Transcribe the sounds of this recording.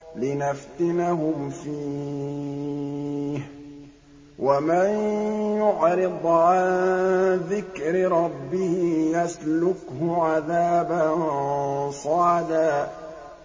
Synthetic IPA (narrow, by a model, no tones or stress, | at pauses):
lɪnaft̪ɪnaɦʊmfiː | h | wamanjʊʕɾɨd̪ˤʕan | ðɪkɾɪɾˤɑbːɪhɪjaslʊkhʊʕaðaːban | sˤɑːd̪aː